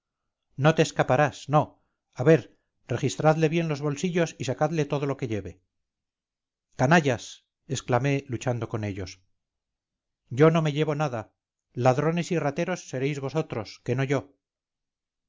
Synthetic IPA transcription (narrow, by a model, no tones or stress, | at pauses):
no̞t̪eːskapaɾasno̞ | aβe̞ɾ | re̞χist̪ɾaðle̞βje̞nlo̞zβo̞lsiʎo̞sisakaðle̞t̪o̞ð̞o̞lo̞ke̞ʎe̞βe̞ | kanaʝas | esklame̞lut͡ʃand̪o̞ko̞ne̞ʎo̞s | ɟ͡ʝono̞me̞ʎe̞βo̞naða | laðɾo̞ne̞sirat̪e̞ɾo̞sːe̞ɾe̞jzβo̞so̞t̪ɾo̞skeno̞ʝo̞